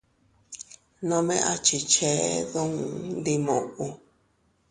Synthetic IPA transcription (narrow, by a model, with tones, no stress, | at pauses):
nõ˧mẽ˦ʔa˧t͡ʃi˨t͡ʃe˦ðũ˦ŋ˨nd̪i˧mõ̰˨ʔu˧